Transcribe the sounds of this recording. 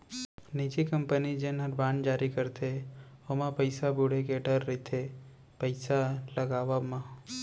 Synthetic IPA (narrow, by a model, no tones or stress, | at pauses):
nit͡ʃikəmpənid͡ʒenəɾbaːnd͡ʒaːɾikəɾt̪ʰeomãpəɪsabuɽekeɖəɾːit̪ʰe | pəɪsaləɡaːʋamã